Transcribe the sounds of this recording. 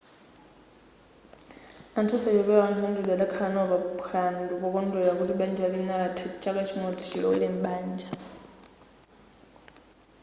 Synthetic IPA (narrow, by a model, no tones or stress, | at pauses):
antʰɔsad͡ʒɔβɛwanundudalakʰanɔβapxʰanlukɔk̬ɔndʱɔjak̬uliɓand͡ʒalinalatʰat͡ʃʼakat͡ʃʰimɔtʰi̥ʃʰilɔilɛm̩ɓaːnd͡ʒa